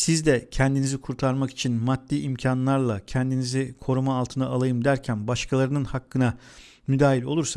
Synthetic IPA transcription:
sizd̪ɛcʰɛnd̪inizikʰuɾt̪ʰaɾmaki̥t͡ʃʰinmat̪̚d̪ːiʔimcʰanlˠaɾlˠacʰɛnd̪inizikʰo̞ɾumaːlˠt̪ʰɯnaːlˠajɯmd̪æɾcʰænbaʃkʰalˠaɾɯnɯnhakːɯna | myd̪aːjilʲo̞lˠuɾsa

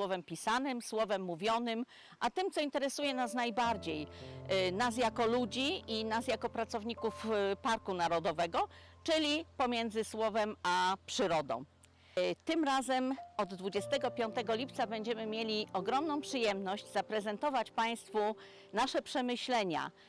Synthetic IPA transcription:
swɔvɛmpʲisanɘmswɔvɛmːuvʲjɔnɘm | ʔat̪ɘmt̪sɔint̪ɛɾɛsujɛnasnajbaɾd͡ʑej | nas̬jakɔlud͡ʑiinasjakɔpɾat̪sɔvɲikufpaɾkunaɾɔd̪ɔvɛɡɔt͡ʂɘlʲipɔmʲjɛnd̪zɘswɔvɛmapʂɘɾɔd̪ɔ̰̃w̃ | t̪ɘmɾazɛmɔd̪ːvud͡ʑɛst̪ɛɡɔpʲjɔnt̪ɛɡɔlʲip̚t̪sabɛɲd͡ʑɛmɘmʲjelʲiɔɡɾɔmnɔ̃w̃pʂɘjɛmnɔʑd͡ʑzapɾɛzɛnt̪ɔvat͡ɕpaj̃st̪fu | naʂɛpʂɛmɘɕlɛɲa̰

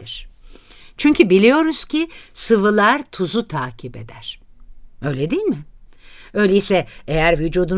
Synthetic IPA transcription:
iɾ̥ | t͡ʃʰyɲcʰybilʲijo̞ɾuz̥cʰisɯvɯlˠaɾt̪ʰuzut̪ʰaːcʰibe̞̰d̪æɾ̥ | ø̞jlʲed̪ijilʲmɪ | ø̞jlʲeisɛejæɾvyd͡ʒuːd̪u

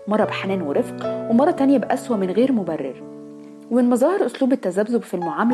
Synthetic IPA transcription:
mɑrˤːɑbħanæːnweɾefqwemɑrˤːɑt̪ænjæbʔæswæʔmɪnɣeːɾmobærːɑ̰ɾ | wɪlmɑzˤɑːheɾʔʊsluːbɪt̪ːæzæbzʊbfilmoʕaːmæ

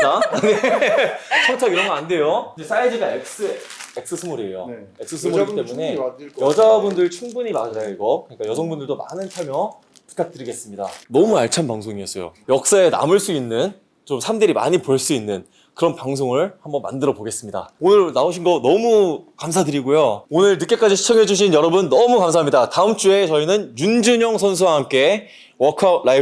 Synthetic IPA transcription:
t͡ɕane | t͡ɕʰʌŋtʰaɡiɾʌnɡʌande̞jod͡ʑesʰaed͡ʑiɡaek̚s͈ɯek̚s͈ɯsʰɯmoɾiejo̰ | eks͈ɯsʰɯmoɾit͈e̞mune̞jʌd͡ʑabundɯɭt͡ɕʰuŋbuɲimanɾaɭɡʌkɯɲik͈ajʌsʰʌŋbundɯɭdoma̰nɯnt͡ɕʰamjʌ | pu̥tk͈ak̚t͈ɯɾiɡe̞s͈ɯmɲida̰nʌmuaɭt͡ɕʰanpaŋsʰoŋiʌs͈ʌjo̰jʌk̚s͈ae̞na̰mɯɭs͈uinːɯn | t͡ɕomsʰamdeɾima̰ɲipoɭs͈uinːɯn | kɯɾʌnpaŋs̬ʰoŋɯɭhambʌnma̰ndɯɾʌboɡe̞s͈ɯmɲida̰onɯɭnaoɕʰinɡʌnʌmukamsʰadɯɾiɡojoonɯɭnɯk͈e̞k͈ad͡ʑiɕʰi̥t͡ɕʰʌŋɦe̞d͡ʑuɕ̬ʰinjʌɾʌbɯnːʌmukams̬ʰaɦamɲidataɯmt͡ɕ͈ue̞t͡ɕʌinɯnjund͡ʑuɲʌŋsʰʌnsʰuwaɦamk͈e̞ | wʌkʰaɭai

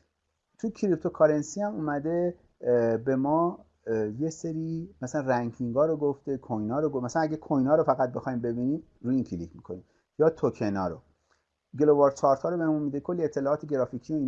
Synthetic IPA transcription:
t̪ʰucʰilip̚t̪ʰo̞kʰɒɾe̞nsiæmuːmæd̪e̞ | be̞mɒː | jeseɾiːmæsælænræŋkʰiŋɡɒːɾoɡo̞ft̪e̞kʰojnɒːɾoɡomæsælænæɡækʰojnɒːɾofæɣæt̪̚be̞xɒːimbe̞biniːm | ɾuːjiːnkʰilḭpmikʰo̞niːm | jɒːt̪ʰokʰenɒ̰ːɾo | ɡelovɑɾd̪t͡ʃʰɒɾt̪hɒːɾobehemunmid̪ekʰolːiet̪ʰːe̞lɒːt̪ʰeɡeɾɒːficʰijoi

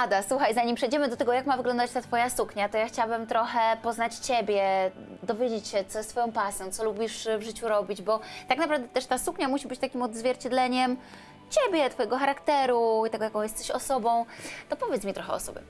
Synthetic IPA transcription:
ʔad̪aswuxajzaɲimpʂɛjd͡ʑɛmɘd̪ɔt̪ɛɡɔjakmavɘɡlɔ̃nd̪at͡ɕt̪at̪fɔjasukɲat̪ɔjaxt͡ɕawbɘmt̪ɾɔxɛpɔznat͡ɕt͡ɕebʲjɛ | d̪ɔvʲjed͡ʑet͡ɕɕɛt̪sɔjɛst̪fɔjɔ̃w̃pasʲjɔ̃w̃t̪sɔlubʲiʂvʐɘt͡ɕuɾɔbʲid͡ʑbɔt̪aknapɾavd̪ɛt̪ɛʂt̪asukɲamuɕibɘt͡ɕt̪akʲimɔd̪zvʲjɛɾt͡ɕɛd̪lɛɲɛm | t͡ɕebʲjɛt̪fɔjɛɡɔxaɾakt̪ɛɾut̪ɛɡɔjakɔ̃w̃jɛst̪ɛɕɔsɔbɔ̃w̃t̪ɔpɔvʲjɛt̪smʲit̪ɾɔxɛɔ̰sɔ̰bʲɛ̰

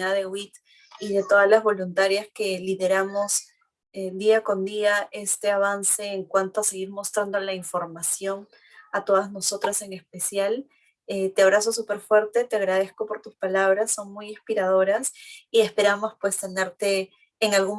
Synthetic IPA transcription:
aðewit̪ | iðe̞t̪o̞ðazlazβo̞lunt̪aɾjaske̞liðe̞ɾamo̞s | ed̪iako̞nd̪iae̞st̪e̞aβanse̞ːŋkwant̪oase̞ɣiɾmo̞st̪ɾand̪o̞laiɱfo̞ɾmasjo̞n | at̪o̞ðazno̞so̞t̪ɾase̞ŋe̞spe̞sjal | et̪eaβ̞ɾas̬o̞supe̞ɾfwe̞ɾt̪e̞t̪eaɣɾað̞e̞sko̞po̞ɾt̪uspalaβ̞ɾasːo̞ŋmujispiɾað̞o̞ɾasie̞spe̞ɾamo̞spwe̞st̪e̞ne̞ɾt̪e̞ː | ŋalɣu

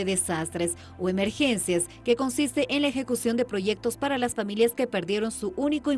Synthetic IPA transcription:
eðesast̪ɾes | oe̞me̞ɾxe̞nsjas | ke̞ko̞nsist̪e̞ʔenlaexe̞kusjo̞nd̪e̞pɾo̞ʝe̞k̚t̪o̞spaɾalasfamiljaske̞pe̞ɾðje̞ɾo̞nsuʔunikoi

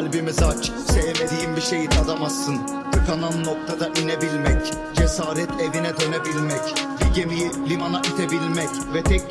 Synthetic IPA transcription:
lʲbimizat͡ʃ | sejɛmed̪ijimbiʃe̞jid̪ʰad̪amasːɯn | t̪ʰɯkananːo̞k̚t̪ʰad̪aʔinebilʲmɛc | d͡ʒɛsaːɾɛt̪ʰevinɛd̪ø̞nebilʲmɛcbiɟemijilʲimanaʔit̪ʰebilʲmɛc | vɛt̪ʰɛ

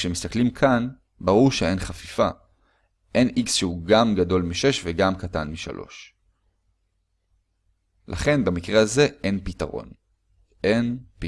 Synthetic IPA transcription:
ʃemist̪aklimkʰan | baʁuʁʃee̞nχafifa̰ | ʔe̞niksʃehuɡamɡado̞lmiʃe̞ʃveɡamkatanmiʃa̰lʔo̞̰ʃ | lʔa̰χe̞nbemikʁeaze̞ʔe̞npitaʁo̞̰n | ʔenp

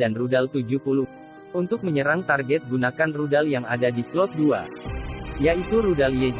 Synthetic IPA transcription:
anrudalt̪ud͡ʒupulu | unt̪ʊk̚məɲəɾaŋt̪arɡɛt̪̚ɡunakanrudaljaŋadadislɔt̪̚dua̰ | jait̪uɾudaljed͡ʒ

